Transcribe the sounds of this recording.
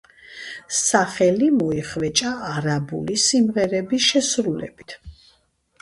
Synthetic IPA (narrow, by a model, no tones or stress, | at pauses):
saχɛlimɔiχvɛt͡ʃʼaːɾabṵlisimʁɛɾɛbisʃɛsɾulɛ̰bit̪ʰ